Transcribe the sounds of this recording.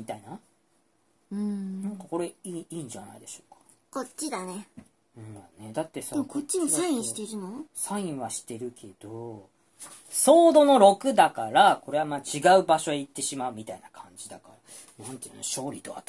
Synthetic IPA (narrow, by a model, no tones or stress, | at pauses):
mʲit̪aina | ɯ̟̃nãŋkako̞ɾe̞iːiːɲd͡ʑana̰id̪e̞ɕo̞̥ːkḁ | kott͡ɕːid̪ane | ɯ̟̃jane̞d̪at̪ːe̞semkot͡ɕːimissaĩɕi̥t̪eɾɯ̟nosaĩɰ̃βaɕi̥t̪e̞ɾɯ̟kʰe̞d̪̥o | so̞ːd̪o̞no̞ɾo̞kɯ̟d̪akaɾako̞ɾe̞amaːt͡ɕiɡaɯ̟baɕo̞eit̪ːe̞ɕimaɯ̟mʲit̪ainakʰãɲ̟d͡ʑid̪akaɾa | nnãnt̪ḛnoɕo̞ːɾʲit̪o̞a̰t̪